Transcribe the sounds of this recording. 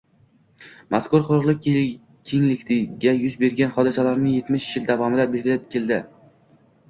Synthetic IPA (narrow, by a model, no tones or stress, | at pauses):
maskʊɾqʊɾʊqlˠɪk̚ʲ | kʲʰeŋlɪkʲt̪ɪɡʲajʊzbe̞ɾɡʲanχɒd̪ɪsalaɾnɪŋje̞t̪mɪʃjɪld̪avɒmɪd̪abelɡʲɪlɪp̚kʲe̞ld̪ɪ